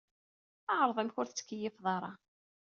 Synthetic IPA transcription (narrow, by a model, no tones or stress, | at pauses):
ɑʕɾˤəðˤimçʊɾθt͡sːə̥kːəjːɪfðˤɑɾˤɑ